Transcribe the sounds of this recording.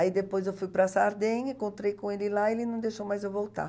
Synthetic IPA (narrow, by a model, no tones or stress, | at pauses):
aid̪epojzewfujpɾasaɾd̪ẽɲẽŋkõnt̪ɾejkõelɪlaelɪnɐ̃d̪ejʃowmajzovowt̪a̰